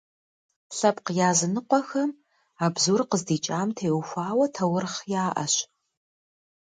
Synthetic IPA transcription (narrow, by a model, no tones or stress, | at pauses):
ɬɐpqjaːzɨnɨqʷɔxɐm | aːbzuːrqəzdiːt͡ʃʼaːmtʰeːwxʷaːwɐtʰɐwʊrχjaːʔɐ̰ɕ